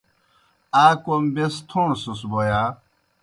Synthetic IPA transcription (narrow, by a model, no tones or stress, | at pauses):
aːkombest̪ʰonsusboja